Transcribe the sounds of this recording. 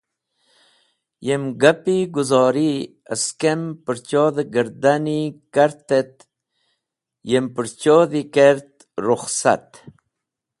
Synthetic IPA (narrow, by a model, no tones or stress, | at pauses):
jemɡapiɡuzɑːɾi | ə̰skempəɾt͡ʃoːd̪əɡəɾd̪anikaɾt̪et̪ | jempəɾt͡ʃoːd̪ikeɾt̪ | ɾʊxsa̰t̪